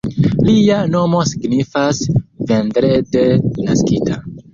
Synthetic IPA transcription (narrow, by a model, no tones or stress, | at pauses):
liano̞mo̞siɡnifasve̞ndɾede̞na̰skitʰa